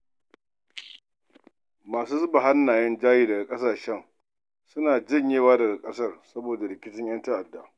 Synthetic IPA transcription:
maː˨suː˦zʊ˦ba˨ɦa˦nːaː˨jɛ˦nd͡ʒaː˦jiː˦dɐ˨ɡa˨kʼɐ˦saː˨ʃɛ˦ŋ | sʊ˦naː˨d͡ʒɪ˦˨ɲjeː˦waː˦dɐ˨ɡa˨kʼɐ˦sɐ˦rsɐ˦boː˨da˨ɾɪ˨kʲɪ˦tɪ˦ɲjɐ˦nta˦ʔa˨dːa˨ʔ

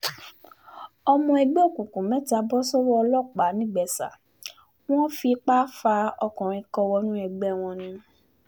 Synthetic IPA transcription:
ɔ˧mɔ̃˧ɛ˧ɡ͡bɛ˦o˦˨kũ˨kũ˨mɛ̃˦ta˧bɔ˦sɔ˦wɔ˦ɔ˧lɔ˦˨k͡pa˨˦nĩ˦˨ɡ͡bɛ˨sa̰˨ | w̃ɔ̃˦fi˧k͡pa˦fa˧ɔ˧kɔ̃˨ɾ̃ĩ˧kɔ˧wɔ˧nũ˦ɛ˧ɡ͡bɛ˦w̃ɔ̃˧nĩ˧˦

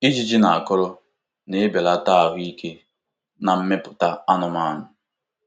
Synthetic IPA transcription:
i˦d͡ʒi˦d͡ʒi˦na˨a˨kʊ˦ɾʊ˦ | ne˦e˦be˨la˦ta˦a˨ɦʊ˦i˦kʰe˦ | na˨m̩˦me˦pʊ̥˨ta˦a˦nʊ˨ma˦˨nʊ˨

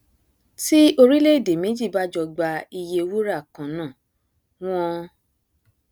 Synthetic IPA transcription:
ti˦o˧ɾi˦le˦i˦˨de˨me˨˦d͡ʒi˦˨ba˦d͡ʒɔ˧ɡ͡ba˧i˧je˧wu˦ɾa˦˨kã˨nãː˦˨ | w̃ɔ̃˦

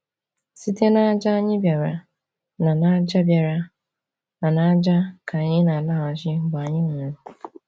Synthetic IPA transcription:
si˦te˦na˦d͡ʒa˦a˦ɲɪ˦bja˨ɾa˨ | na˨na˦d͡ʒa˦bja˨ɾa˨ | na˨na˦d͡ʒa˦kʰa˨ɲɪ˦na˨la˦˨a˨ʒɪ˦˨ɡ͡ba˨ɲɪ˦ŋa˨ɾʊ˨

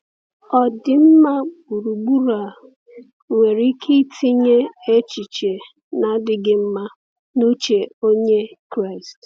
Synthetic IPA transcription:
ɔ˨dɪ˨m̩˦ma˦bu˨ɾu˨ɡ͡bu˦ɾa˨ | ŋʷe˨ɾi˦kʰi˦tʰi˦ɲe˦e˦t͡ʃi˨t͡ʃe˨ | na˨˦dɪ˨ɡɪ˦m̩˦ma˦ | no˦t͡ʃe˨o˦ɲe˦kɾa˦˨ɪ˨st

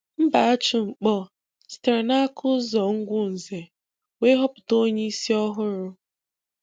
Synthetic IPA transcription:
m̩˦ba˨a˦t͡ʃʊ˨ŋ͡m̩˨k͡pɔ˦ | sta˨na˦kʰʊ˦zɔ˨ŋ̩˦ɡʷʊ˦n̩˨ze˨ | we˦ɦɔ˦pʊ˨to˦ɲe˦i˦si˦ɔ˦ɦʊ˦ɾʊ˦

